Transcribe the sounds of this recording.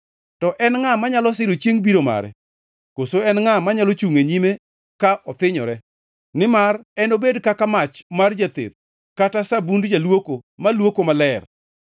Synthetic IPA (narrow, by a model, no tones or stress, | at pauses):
tɔʔɛnŋamaɲalɔs̬ɪɾot͡ʃjeŋbiɾoma̰ɾɛ̰ | kosoɛnŋamaɲalot͡ʃuŋeɲime | kaʔɔt̪ɪɲɔ̰ɾɛ | nɪmarɛnobedkakamat͡ʃmard͡ʒat̪ḛt̪̚ | katasabundd͡ʒalwokomalwokomalɛr